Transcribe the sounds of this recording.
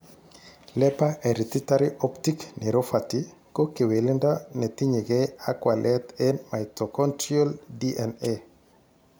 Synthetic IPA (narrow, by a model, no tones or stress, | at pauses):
lɛpaʔɛɾit̪itaɾiʔɔptiknɛɾofati | kokewelɪndanɛt̪iɲeɡɛakwalʔɛt̪ɛmaitɔkɔntiɔldiʔɛne